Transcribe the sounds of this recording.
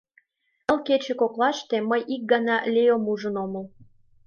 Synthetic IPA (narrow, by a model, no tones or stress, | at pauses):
əlket͡ɕĕkoklɑʃt̪eməjʔik̚ɡɑnɑlʲejomuʒə̆noməl